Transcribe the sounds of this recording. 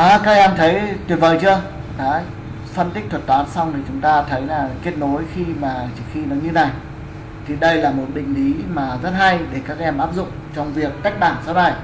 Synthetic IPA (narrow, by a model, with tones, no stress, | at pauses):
ʔaː˨˦kaː˦˥k̚ʔɛ˧mt̪ʰə˨˦jt̪wi˨˩vəː˨˩jt͡ɕɨ˧ə | ɗa̰ː˧˦˥ | fə˧nt̪ï˦˥k̟̚t̪ʰwə˨˩t̪waː˨˦nsa˧wŋ͡mt̪ʰi˨˩t͡ɕʊ˨˦ŋ͡mt̪aː˧t̪ʰə˨˦jlaː˨˩ki˦˥ət̚no˨˦jxi˧maː˨˩t͡ɕɨ˧˩xi˧nɔ˨˦ɲɨ˧na˨˩j | t̪ʰi˨˩ɗə˧jlaː˨˩mo˨˩t̚ɓï˨˩ŋ̟ʔi˨˦maː˨˩zə˦˥t̚ha˧jɗe˧˩kaː˦˥k̚ʔɛ˧mʔaː˦˥p̚zʊ̰˧˨ŋ͡mt͡ɕɔ˧wŋ͡mvi˨˩əkːaː˦˥jk̚ɓaː˧˩nsaː˨˦wna˧˩j